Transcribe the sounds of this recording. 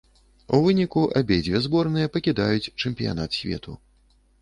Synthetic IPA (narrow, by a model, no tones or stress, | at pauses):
uvɨnʲikuʔabʲejd͡zʲvʲɛzbɔrnɨjɐpɐkʲid̪ajut͡sʲt͡ʂɛmʲpʲija̰nat̪sʲvʲɛ̰t̪ʰṵ